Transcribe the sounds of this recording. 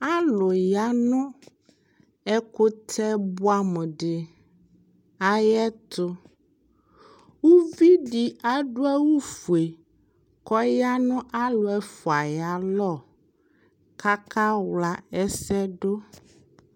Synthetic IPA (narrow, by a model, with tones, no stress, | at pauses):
a˦lo˨ja˦nɔ̃˦ | ɛ˦ko˦t̪ʰɛ˦bo˦a˦me˨ɖɪ˨ | a˦jɛ˦t̪ʊ˦ | wu˦vi˦ɖi˦a˦ɖo˦ɛ˦wu˦fu˨e˨ | kɔ˦ja˦nɔ̃˦ʔa˦lo˨ɛ˦fo˨a˨ja˨lɔ˦˨ | ka˦ka˦wla˦ɛ˦sɛ˦ɖo˦